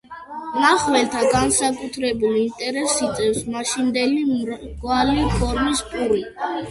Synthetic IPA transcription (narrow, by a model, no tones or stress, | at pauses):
naχwɛlt̪ʰaɡansakʼut̪ʰɾɛbulint̪ʼɛɾɛsit̪sʼɛfsmaʃind̪ɛliɡwalipʰɔɾmispʰʼuɾi